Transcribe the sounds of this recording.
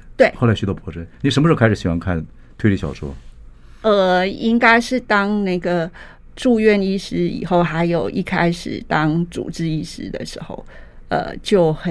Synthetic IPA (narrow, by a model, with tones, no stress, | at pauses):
t̪we˥˩ɪxo˥˩la˧˥ɕy˧˥t̪ɑ˧˥pʰɔ˥ʈ͡ʂə˥˩ni˨˩ʂə˧˥nm˧ɻ̩˧˥kʰɪʂ̩˨˩ɕi˨˩xwɑ˥˧ŋkʰa˥˩n | t̪ʰwe˥˧ɪli˥˩ɕɑ̰˨˩ʊʂwɔ̰˥ | ə˥˩i˥ŋka˥ɪʂɻ̩˥˩t̪ɑ˥ŋna˥˩ɪɡə˩ | ʈ͡ʂu˥˧ɥɛ˥˧ni˥˩ʂɻ̩˥ḭ˨˩xo˥˩ʊxa˧˥ɪjo˨˩ʊʔi˥˩kʰa˥ɪʂɻ̩̰˨˩t̪ɑ˥ŋt͡sṵ˨˩ʈ͡ʂɻ̩˥i˥˩ʂɻ̩˥d̪ə̰˨ʂɻ̩˧˥xo̰˥˩ʊ | ə̰˧˩t͡ɕjo˥˩ʊx